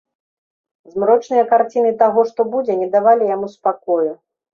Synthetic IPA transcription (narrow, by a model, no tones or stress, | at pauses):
zmɾɔt͡ʂnɨjɐkart͡sʲinɨt̪aɣɔʂt̪ɔbud͡zʲɛnʲɛd̪avalʲijamuspakɔju